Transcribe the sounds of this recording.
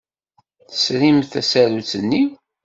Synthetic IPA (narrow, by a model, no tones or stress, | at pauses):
θə̥sɾimθæsæɾut͡sənːi